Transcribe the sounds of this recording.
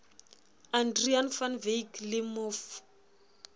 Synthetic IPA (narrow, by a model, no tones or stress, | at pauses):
andrianfanvejklɪmof